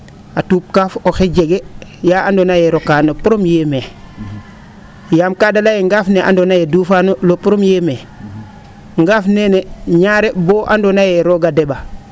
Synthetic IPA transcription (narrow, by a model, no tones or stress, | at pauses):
atuːp̚kaːfoxeɟeɡejaːandonajeɾokaːnopuɾomjeːme | jaːmkadalajeŋɡaːfneʔa̰ndonajeduːfanolopuɾomjeːme | ŋɡaːfneneɲaɾeboːʔa̰ndonajeɾoɡadeba